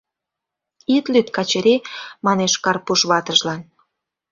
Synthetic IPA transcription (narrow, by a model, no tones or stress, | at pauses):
it̪lyt̪kɑt͡ɕeɾemɑneʃkɑrpuʃβɑt̪əʒlɑn